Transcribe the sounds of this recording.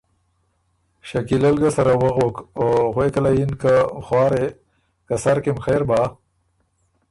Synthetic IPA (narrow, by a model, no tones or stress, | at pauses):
ʃakilalɡasaɾawəɣokoɣwekalajinkaxwɑːɾe | kasaɾkemxeɾba